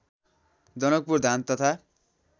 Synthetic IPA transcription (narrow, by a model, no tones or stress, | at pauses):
d͡zʌnʌk̚purd̪ʱant̪ʌt̪ʰa